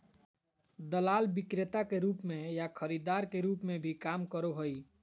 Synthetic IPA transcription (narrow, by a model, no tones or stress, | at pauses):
d̪əlaːlbikɾet̪akeɾuːpmẽjakʰəɾid̪aɾkeɾuːpmẽbʱikamkəɾoɦəi